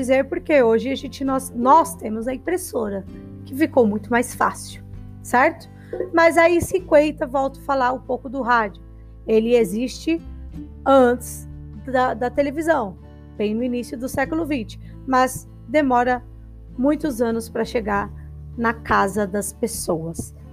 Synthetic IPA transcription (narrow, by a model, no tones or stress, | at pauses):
d͡ʒizeɾpoɾkeoʒɪaʒẽt͡ʃɪnɔsnɔst̪ẽmʊzɐĩpɾesoɾɐ | kɪfikowmũj̃t̪ʊmajsfa̰siw | sɛɾt̪ʊ̥ | mɐzaisɪkwẽjt̪ɐvɔwt̪ʊ̥falaɾũpowkʊd̪ʊɦad͡ʒʊ | elɪezist͡ʃɪ | ɐ̃t͡ʃ̪ɪz | d̪ɐd̪ɐt̪elevizɐ̃w̃ | v̥ẽj̃nʊinisjʊd̪ʊsɛkʊlʊvĩt͡ʃɪ̥ | mɐz | d̪emɔɾɐ | mũj̃t̪ʊzɐ̃nʊspɾɐʃeɡaɾ | nɐkazɐd̪ɐspesowɐs